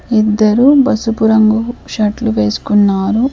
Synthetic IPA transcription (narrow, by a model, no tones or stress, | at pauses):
id̪ːɐɾubɐsupuɾɐŋɡuʃɐʈluʋe̞ːsu̥kunːaːɾu